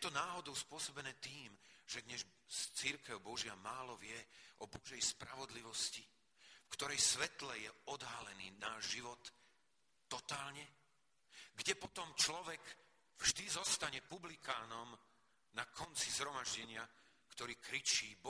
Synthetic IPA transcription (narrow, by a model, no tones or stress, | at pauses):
jɛt̪ɔnaːɦɔd̪ɔʊspʊɔsɔbɛnɛːt̪iːmʒɛd̪ɲɛz | st͡siɾkɛʊbɔʒɪamaːlɔʋɪɛʔɔbɔʒɛjspɾaʋɔd̪liʋɔsci | fkt̪ɔɾɛjsʋɛt̪lɛjɛɔd̪ɦalɛniːnaːʒʒiʋɔt̪ː | ɔt̪aːlɲɛ | ɡɟɛpɔt̪ɔmt͡ʃlɔʋɛɡ | vʒd̪izɔst̪aɲɛpublikaːnɔm | nakʰɔnt͡sizɦɾɔmaʒɟɛɲɪa | kt̪ɔɾiːkɾit͡ʃiːbɔ